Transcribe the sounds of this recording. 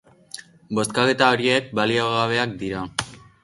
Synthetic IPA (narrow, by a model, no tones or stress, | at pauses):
bo̞st̪kake̞t̪ao̞ɾie̞k̚balioɣaβ̞e̞akd̪iɾa